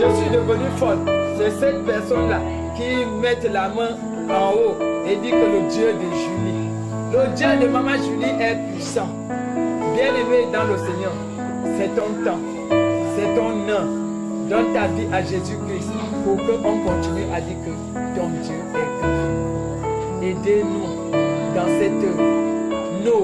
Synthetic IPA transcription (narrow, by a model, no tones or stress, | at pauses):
ʒesid̪əvənyfɔtsɛsɛt̪̚pɛsɔnla | kimɛt̪lamə̃ | ãwoedikələdjədeʒyli | lədjədemãmãʒiliʔɛpisã | bɛ̃lemed̪ãloseɲɛʁ | sɛt̪ɔ̃t̪ã | sɛt̪ɔ̃nə̃ | d̪ɔ̃t̪aviʔaʒezykɾist | pukəʔɔ̃kɔ̃tiniʔadikə | t̪ɔ̃dəɛpii | edenũ | dãsɛt̪ə | no